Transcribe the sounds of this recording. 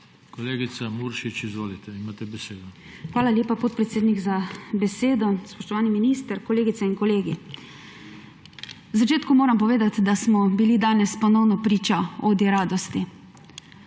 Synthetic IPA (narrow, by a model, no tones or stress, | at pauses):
kɔleːɡit̪samuɾʃit͡ʃizʋoːlit̪ʰɛimaːt̪ɛbɛseːd̪ɔ | xʋaːlalʲjeːpapot̪̚pɾɛt̪seːd̪niɡzabɛseːd̪ɔspɔʃt̪ɔʋaːniminist̪əɾkɔleːɡit̪sɛinkɔleːɡi | wzat͡ʃeːt̪kumoːɾampɔʋeːd̪at̪d̪asmɔbilid̪aːnɛspɔnɔwnɔpɾiːt͡ʃaod̪iɾaːd̪ɔst̪i